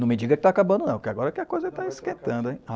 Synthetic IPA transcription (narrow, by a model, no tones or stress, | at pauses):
nɐ̃w̃mɪd͡ʒiɡɐkɪt̪aːkabɐ̃d̪ʊnɐ̃w̃pʊkɪaɡɔɾɐɛkɪɐkojzɐɛt̪aeskẽt̪ɐ̃nd̪ʊẽja